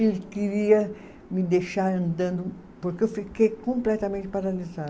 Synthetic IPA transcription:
elɪkiɾiɐ | mɪd̪ejʃaɾɐ̃nd̪ɐ̃nd̪ʊ | poɾkeewfikejkõmplɛt̪ɐmẽnt͡ʃ̪ɪ̥paɾaliza

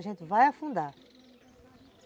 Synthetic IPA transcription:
ʒẽnt̪ɪvajafũnd̪aɾ

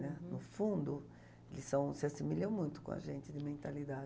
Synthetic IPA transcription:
nɛnʊfũnd̪ʊ | elɪsɐ̃w̃sɪasimiʎɐ̃w̃mũj̃t̪ʊ̥kõ̰a̰ʒẽnt͡ʃ̪ɪd̪ɪmẽnt̪alid̪a

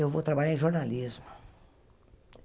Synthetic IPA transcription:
ewvot̪ɾabaʎaɾẽʒoɾnalizmʊ

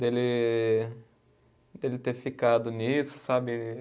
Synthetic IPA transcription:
d̪elɪ | d̪elɪt̪efikad̪ʊnisʊ̥sabɪ

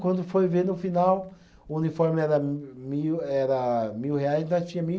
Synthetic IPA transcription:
kwɐ̃nd̪ʊfojveɾnʊfinaw | ʊunifɔɾmɪɛɾɐmiwɛɾɐmiwheajzẽt̪ɐ̃t͡ʃĩɲɐmi

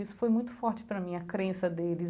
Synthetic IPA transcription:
isʊ̥fojmũj̃t̪ʊfɔɾt͡ʃɪ̥pɾɐmĩɐkɾẽsɐd̪elɪ

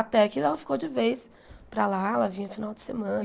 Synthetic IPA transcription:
at̪ɛakiɛlɐfi̥kowd͡ʒɪvejs | pɾalaɛlɐvĩɲɐfinawd͡ʒɪ̥semɐ̃n

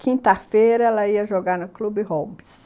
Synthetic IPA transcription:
kʰĩnt̪ɐfejɾɐɛlɐiɐʒoɡaɾnʊklubɪɦobɪs

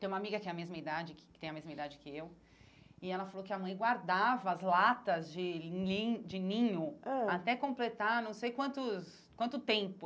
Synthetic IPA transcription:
t̪ẽj̃ũmamiɡɐkɪɛ̃ɐmezmɐid̪ad͡ʒɪkkt̪ẽj̃ɐmezmɐid̪ad͡ʒɪkɪew | ɪɛlɐfalowkɪɐmɐ̃j̃ɡwaɾd̪avɐːzlat̪ɐzd͡ʒɪid͡ʒɪnĩɲʊat̪ɛkõmplet̪anɐ̃w̃sejkwɐ̃nt̪ʊs | kwɐ̃nt̪ʊt̪ẽmpʊ

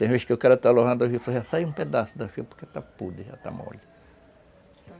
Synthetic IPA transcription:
t̪ẽveskeokaɾɐt̪aloɦɐ̃nd̪ʊafisoɦasajũped̪asʊd̪ɐfiɐpoɾket̪apud̪ɪʒa̰t̪a̰mo̰li

